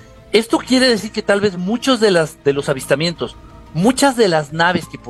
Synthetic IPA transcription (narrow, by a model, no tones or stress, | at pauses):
e̞st̪o̞kje̞ɾe̞ðe̞siɾke̞t̪alβe̞zmut͡ʃozðe̞lazðe̞lo̞saβist̪amjẽ̞nt̪o̞s | mũt͡ʃazðe̞laznaβ̞e̞ske̞p